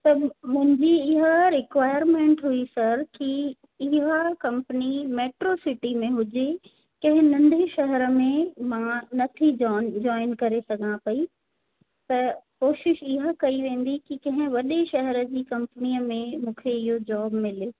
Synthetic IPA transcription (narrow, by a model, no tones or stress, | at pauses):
t̪ɐmʊ̃ɦɪ̃ɲd͡ʑiɪɦəɾɪkʋaːɪəɾmẽːɳʈɦʊisɐɾki | ɪɦakɐ̃mpənimeːʈɾosɪʈimẽɦʊd͡ʑe | kɐ̃ɦɪ̃nɐ̃nd̪ʱeʃɐɦɛɾəmẽmãnɐt̪ʰid͡ʑɔːɪnkɐɾesɐɡʱãpɐi | t̪ɐkoːʃɪʃɪɦəkɐiʋẽːn̆d̪ikikɐ̃ɦɪ̃ʋɐɗeʃɐɦɛɾə̆d͡ʑiːkɐ̃mpniəmẽmũːkʰeɪɦod͡ʑɔːbmɪleː